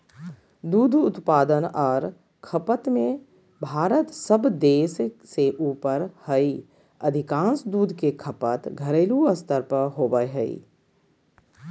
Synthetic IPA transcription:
d̪uːd̪ʱʊt̪paːd̪ənɔːɾ | kʰəpət̪mẽ | bʱaːɾət̪səbd̪eːsseʔuːpəɾhəi | əd̪ʱɪkãːnsd̪uːd̪ʱkekʰəpət̪ɡʱəɾeːluəst̪əɾpəɦoːbəjɦəḭ

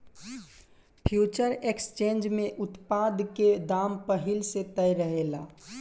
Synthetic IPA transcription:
pʰjuːt͡ʃəɾekst͡ʃẽːnd͡ʒmẽʔʊt̪pad̪ked̪aːmpəɦɪlset̪əjɾəɦelaː

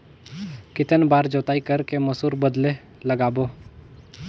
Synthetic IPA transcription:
kɪt̪ənbaːɾd͡ʒoːt̪aːikəɾkeməsuːɾbəd̪le | ləɡaːboː

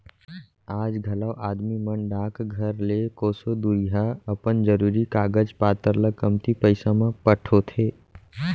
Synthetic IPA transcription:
aːd͡ʒɡʱɐləwʔaːd̪mimənɖãːkɡʱɐɾlekoːsod̪uɦaɐpənd͡ʒəɾuːɾikaːɡəd͡ʒpaːt̪əɾləɡ̚kəmt̪ipəɪsamãpəʈʰot̪ʰeː

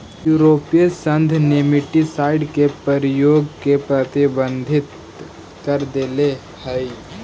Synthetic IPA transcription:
juːɾoːpijəsə̃nd̪ʱnɪmɪʈisaːɪɖkepəɾjoːɡkepɾɐt̪ibə̃nd̪ʱɪt̪ | kəɾd̪eːle | həi

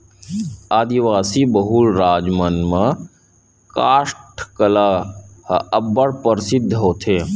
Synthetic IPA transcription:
aːd̪iʋaːsiːbəɦuːlɾaːd͡ʒmənmɐ̃ | kaːʂʈʰkəlaːhəbːəɽpəɾsɪd̪ʱːɦoːt̪ʰeː

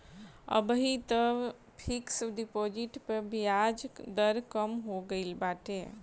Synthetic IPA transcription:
ə̰bɦit̪ə | pʰiksɖipod͡ʒiʈpəɾbijad͡ʒd̪əɾkəmɦoɡəɪlbaʈe

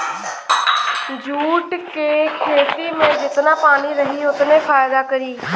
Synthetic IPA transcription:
d͡ʒuːʈkeːkʰeːt̪iːmẽːd͡ʒɪt̪naːpaːñiːɾəɦiːʊt̪nẽːpʰaːjd̪aːkəɾiː

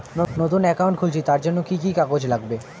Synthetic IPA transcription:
not̪unɛkaʊ̃ɳʈkʰult͡ʃʰit̪aɾd͡ʒonːokikikakod͡ʑlaɡbe

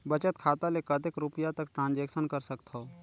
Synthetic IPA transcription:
bət͡ʃət̪̚kʰaːt̪alekəd̪ekɾʊpijat̪ɐkʈɾãːnd͡ʒeːkʃənkəɾsəkt̪ɦo

